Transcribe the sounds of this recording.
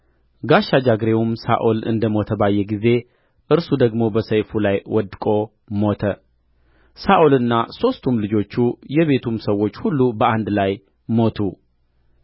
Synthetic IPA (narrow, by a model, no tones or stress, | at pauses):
ɡaʃad͡ʒaɡɾe̞wumsa̰ʔolɨ̰nd̪əmo̞t̪ʰəbajːɛɡize̞ | ʔɨɾsud̪əɡmo̞bəsəjfulajwɔd̪kʼo̞ | mo̞t̪ʰə | saʔolɨnːaso̞st̪ʰumlɨd͡ʒo̞t͡ʃːujɛβe̞t̪ʰumsəwːo̞t͡ʃːhulːubəand̪laj | mo̞t̪ʰu